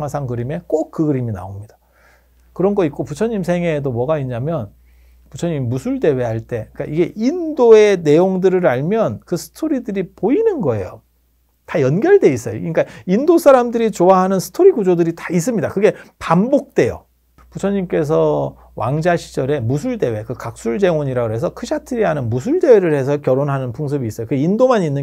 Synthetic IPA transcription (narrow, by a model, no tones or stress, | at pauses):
ŋɦasʰaŋkɯɾime̞k͈ok̚k͈ɯɡɯɾimina̰omɲid̥ḁ | kɯɾʌnɡʌit̚k͈oput͡ɕʰʌɲims̬ʰe̞ŋɦeːdomwʌɡaiɲːamjʌn | put͡ɕʰʌɲimmusʰuɭdewe̞ɦaɭt͈e̞k͈a̰ʔiɡe̞ʔindoe̞ne̞joŋdɯɾɯɾaɭmjʌnkɯsʰɯ̥tʰoɾidɯɾipoinɯnɡʌe̞̰jo | tajʌnɡjʌɭde̞is͈ʌjo̰ɲik͈aindosʰaɾamdɯɾit͡ɕoaɦanɯnsʰɯ̥tʰoɾiɡud͡ʑodɯɾitḁis̬͈ɯmɲidakɯɡe̞pambok̚t͈e̞jo̰ | put͡ɕʰʌɲimk͈e̞s̬ʰʌ | wʔa̰ŋd͡ʑaɕʰi̥d͡ʑʌɾe̞musʰuɭde̞we̞kɯkak̚s͈uɭd͡ʑe̞ŋwʌɲiɾaɡoɦe̞s̬ʰʌkʰɯɕʰatʰɯɾiɦanɯnmus̬ʰuɭde̞we̞ɾɯɭhe̞s̬ʰʌkjʌɾonɦanɯnpʰuŋs̬ʰɯbiːs͈ʌjokɯɡindomaninːɯ